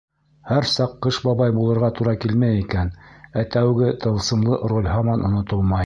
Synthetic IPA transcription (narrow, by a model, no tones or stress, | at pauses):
hæɾsɑqːɤʃbɑβɑjbulˠɤ̆ɾʁɑt̪uɾɑkilmæjikænæt̪æwɡɘt̪ɤ̆lˠsɤ̆mlˠɤʔrolʲɦɑmɑnʔŏ̰nŏt̪olˠmɑj